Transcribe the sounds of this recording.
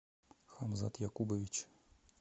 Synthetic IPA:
xamza̰t̪jakubɐvʲit͡ɕ

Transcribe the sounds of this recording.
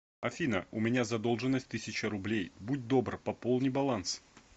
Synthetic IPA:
ɐfʲinəʊmʲɪnʲazɐd̪o̞lˠʐɨnːəsʲt̚ʲt̪ɨsʲɪt͡ɕəɾʊblʲejbut̚ʲd̪o̞brpɐpolˠnʲɨjbɐlˠans

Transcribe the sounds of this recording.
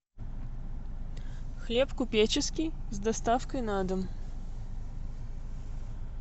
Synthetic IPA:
xlʲepkʊpʲet͡ɕɪskʲijzd̪ɐst̪afkəjnad̪əm

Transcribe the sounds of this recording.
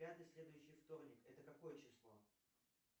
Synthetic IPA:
ad̪ɨsʲlʲe̞d̪ʊjʉɕːɪjft̪o̞rnʲɪkɛt̪əkɐko̞jət͡ɕɪslˠo̞

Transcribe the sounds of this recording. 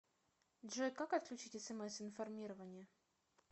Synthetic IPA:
dʐɛjkakɐt̪̚klʲʉt͡ɕitʲɛsɛmɛsɪnfɐrmʲiɾəvənʲɪjə

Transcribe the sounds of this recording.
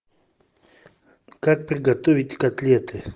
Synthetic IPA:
kak̚prʲɪɡat̪ovʲitʲkat̪lʲet̪ɨ

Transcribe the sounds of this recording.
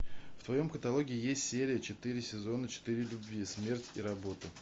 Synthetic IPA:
ft̪vɐjo̞mkət̪ɐlˠo̞ɡʲɪɪjesʲtʲsʲeɾʲɪjət͡ɕɪt̪ɨɾʲɪsʲɪzo̞nət͡ɕɪ̥t̪ɨɾʲɪlʲʊbʲvʲismʲe̞rtʲiɾɐbo̞t̪ɨ

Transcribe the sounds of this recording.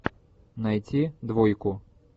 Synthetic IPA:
najt͡sʲid̪vɔjkʊ

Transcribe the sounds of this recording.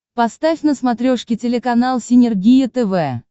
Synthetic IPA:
pɐst̪afʲnəsmɐt̪ɾʲoʂkʲɪtʲɪlʲɪkɐnalˠsʲɪnʲɪrɡʲijət̪ɛvɛ

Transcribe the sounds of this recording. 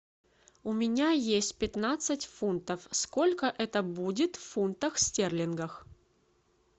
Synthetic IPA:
ʊmʲɪnʲajesʲtʲpʲɪt̪nat̪sɨtʲfunt̪əfsko̞lʲkəʔɛt̪əbudʲɪt̪ffunt̪əxsʲtʲerlʲɪnɡəx

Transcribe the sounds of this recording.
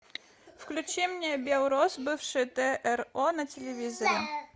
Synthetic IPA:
fklʲʉt͡ɕɛmʲnʲɪjəbʲelˠɾosbɨfʂɨjt̪ɛʔɛronɐtʲɪlʲɪvʲizəɾʲɪ

